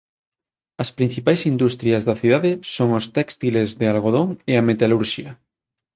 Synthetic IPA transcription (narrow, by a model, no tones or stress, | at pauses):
ɐspɾin̟θipajsind̪ust̪ɾiɐzðɐθiðaðɪsoŋʊst̪ɛkst̪ilezðɪalɣoð̞oŋeamet̪aluɾʃiɐ